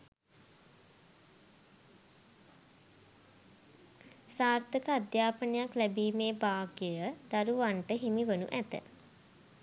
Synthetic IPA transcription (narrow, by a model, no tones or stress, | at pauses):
saːrt̪əkəad̪jaːpənəjaklæbiːmeːbaːɡjəjəd̪aɾuʋaɳʈəɦimiʋənṵʔæt̪ə̰